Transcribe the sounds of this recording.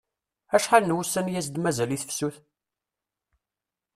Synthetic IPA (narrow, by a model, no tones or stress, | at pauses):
æʃħalnwusːənjæs̬d̪mæzæliθə̥fsuθ